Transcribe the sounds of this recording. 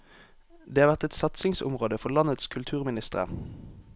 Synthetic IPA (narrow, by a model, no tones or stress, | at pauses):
d̪eːɑʁʋæʁt̪ɛt̪sɑt̪sɪŋsʊ̰mʁoːd̪əfɔʁlɑnət̪skʰʉlt̪ʰʉːʁmɪnɪst̪əʁə̰